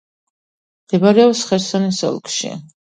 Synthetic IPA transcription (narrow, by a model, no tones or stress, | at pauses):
ɛbaɾɛɔsχɛɾsɔnɛsɔ̰lˠkʰʃḭ